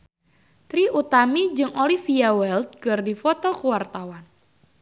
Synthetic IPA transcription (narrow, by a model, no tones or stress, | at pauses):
t̪ɾiʔut̪amid͡ʒɨŋolifiawɛld̪̚kɨrdifɔt̪ɔkuwart̪awan